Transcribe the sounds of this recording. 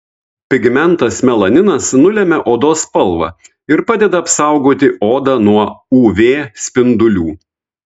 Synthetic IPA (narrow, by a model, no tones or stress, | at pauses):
pʲɪɡmʲɛnˑt̪ɐsmʲɛlˠɐnʲɪnɐsnʊlʲɛmʲɛʔoːd̪oːspɐlˠʋɑ̰ | ɪɾpɑːd̪ʲɛd̪ɐːpsɑˑʊɡoːt̪ʲɪʔoːd̪ɑnuɔuːʋʲeːsʲpʲɪnd̪ʊlʲuː